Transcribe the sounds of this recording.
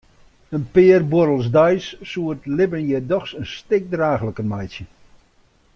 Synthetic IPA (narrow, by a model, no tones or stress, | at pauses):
ənpɪərboɾəlˠsdajsːuərtlɪbənjɛdɔxsənstɪk̚draːxləkəmajsjə